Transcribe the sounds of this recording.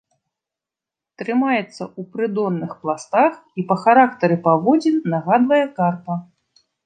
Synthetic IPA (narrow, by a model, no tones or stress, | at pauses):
t̪ɾɨmajɛt̪sːɐupɾɨd̪ɔnːɨxplˠast̪axipɐxaɾak̚t̪ɐɾɨpavɔd͡zʲinaɣad̪vɐjɛkarpɐ